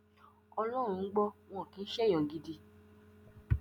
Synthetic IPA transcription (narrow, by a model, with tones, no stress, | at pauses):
ɔ˧lɔ˦˨ũ˧n̩˦ɡ͡bɔ˦w̃ɔ̃˦˨kĩ˨˧˦ʃɛ˦j̃ɔ̃˨ɡi˧di˧